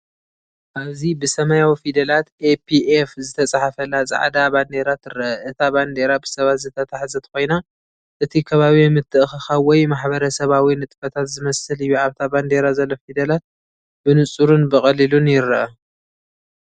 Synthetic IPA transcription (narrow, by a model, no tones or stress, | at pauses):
ʔaβzibɨsɐmajawifid̪ɐlat̪ʔepʰiʔefzɨt̪ʰɐt͡sʼaħafɐlazʼa̰ʕ̰d̪aband̪e̞ɾat̪ɨɾɐʔʔɨt̪ʰaβand̪e̞ɾabɨsɐβat̪zɨt̪ʰɐt̪ʰaħzɐt̪ko̞jna | ʔɨt̪ʰikʰɐβaβimɨt̪ʰːɨʔxɨxawɔjmaħβɐɾɐsɐβawinɨt̪ʼfɐt̪ʰat̪zɨmɐsɨlɨjːuʕaβt̪ʰaband̪e̞ɾazɐlːofid̪ɐlat̪̚ | bɨnɨt͡sʼuɾunbɨχʼɐlilunjɪɾɐʔɐ